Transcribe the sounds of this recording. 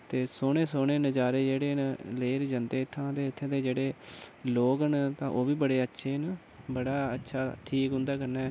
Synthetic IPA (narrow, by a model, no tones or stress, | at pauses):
t̪eːsoːneːsoːneːnəd͡ʒaːɾeːd͡ʒeːɽeːnleːɾd͡ʒənd̪eːɪt̪ʰːãːt̪eːɪt̪ʰːẽːd̪eːd͡ʒeːɽeːloːɡənt̪ãːʔoːbiːbəɽeːətːʃʰeːn | bəɽaːətːʃʰaːʈʰiːkɦʊ̃nd̪aːkəɾnɛː